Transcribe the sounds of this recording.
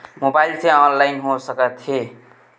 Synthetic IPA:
mobajlt͡sʌ̃j̃ʌnlajnɦõsʌkʌt̪ʰie

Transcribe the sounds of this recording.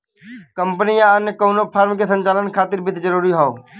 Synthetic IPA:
kəmpənijãnkoːnopʰaːɾmkesə̃ɲt͡ʃaːlənkʰaːt̪ɪɾbʱɪt̪ʰd͡ʒəɾuːɾiɦooː

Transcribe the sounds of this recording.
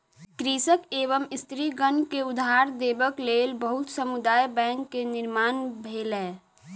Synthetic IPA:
kɾiːsəkeːʋəmɪst̪ɾiɡənkeʊd̪ʱaːɾd̪eːbəkleːlbəɦʊt̪səmud̪aːjbɛ̃ːŋkːenɪɾmaːnbʱeːlɦɛː

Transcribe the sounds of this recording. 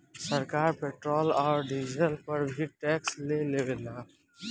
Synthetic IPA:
səɾkaːɾpeːʈɾoːlɔːɾɖid͡ʒzəlpəɾbʱiʈɛːkslelebelaː

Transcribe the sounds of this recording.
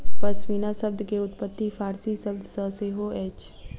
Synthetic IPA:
pɐsmiːnasɐb̚d̪ʱkeʊt̪pət̪ːifaːɾsisɐb̚d̪səɦseːɦoeːt͡ʃ

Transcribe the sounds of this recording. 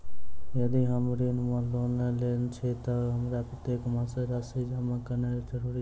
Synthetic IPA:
jəd̪iɦəmɾinmãloːneleːnt͡ʃʰet̪əɦəmɾapɾət̪eːkmãseɾaːsid͡ʒamakəneɾd͡ʒəɾuːɾi

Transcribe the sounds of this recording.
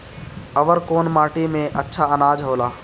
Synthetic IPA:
ɐʋəɾkoːnmaːʈimẽʔɐtːʃʰaɐnaːd͡ʒɦoːlaː

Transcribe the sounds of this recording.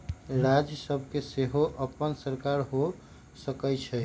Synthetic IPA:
ɾad͡ʒjəsəbʱkeseɦoʔəpːənsəɾkaɾɦo | səkɛt͡ʃʰɛ

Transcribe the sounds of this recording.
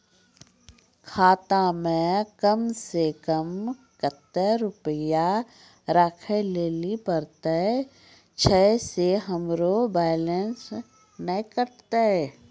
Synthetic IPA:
kʰaːt̪amẽkəmsekəm | kət̪ːəɾʊpəja | ɾəkʰəleːlipəɾt̪aɛ | t͡ʃʰɛseɦəmɾobɛːlens | nəikəɾt̪aɛ

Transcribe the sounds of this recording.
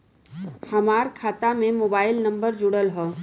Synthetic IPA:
hɐmaːɾkʰaːt̪amẽmoːbaːɪlnɐ̃mbəɾd͡ʒʊɽəlɦoː

